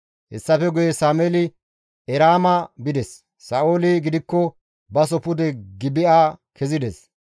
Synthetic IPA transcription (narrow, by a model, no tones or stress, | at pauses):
hɛ̰sːɐfɛɡʊjɛsaːmɛlɪ | ɛɾaːmɐbɪd̪ɛsː | ɐːʔoːlɪɡɪd̪ɪkːɔ | bɐsɔpʊd̪ɛɡɪbɪaːkʰɛzɪd̪ɛs